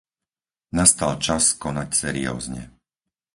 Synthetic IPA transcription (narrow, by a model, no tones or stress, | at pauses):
nast̪alt͡ʃaskɔnacsɛɾḭjɔ̰ːzɲɛ